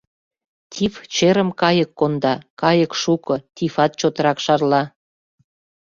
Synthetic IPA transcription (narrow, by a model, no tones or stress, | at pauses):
t̪ʲʰift͡ɕeɾə̆mkɑjəkːond̪ɑkɑjəkʃukɤ̆t̪ʲifɑt̪̚t͡ɕot̪əɾɑkʃɑrlɑ